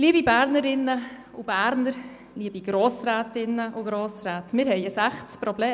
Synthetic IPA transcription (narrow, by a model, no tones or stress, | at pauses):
ɡ̥liːbibæːɾnəɾɪnːə | ub̥æːɾnəɾ | niəbiɡ̥ɾoːsɾæːtɪnːəʔuɡ̥ɾoːsɾæːtmɪɾhɛɪəsæχt͡spɾɔbleː